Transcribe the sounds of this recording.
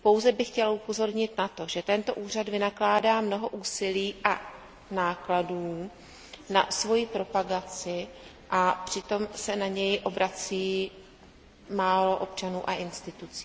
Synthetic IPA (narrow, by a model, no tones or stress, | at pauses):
po̞wzɛbɪxcɛlʔupo̞zo̞ɾɲɪt̪nat̪o̞ʒɛt̪ɛnt̪o̞ʔuːr̝ad̪vɪnaklaːdaːmno̞ɦo̞ʔuːsɪliːʔa | naːkladuː | na̰svo̞jipɾo̞paɡat͡sɪ | ʔapr̝̥ɪt̪o̞msɛnaɲɛjʔo̞bɾat͡siː | maːlo̞ʔo̞pt͡ʃanuːʔaʔɪnst̪ɪt̪ut͡si̥ː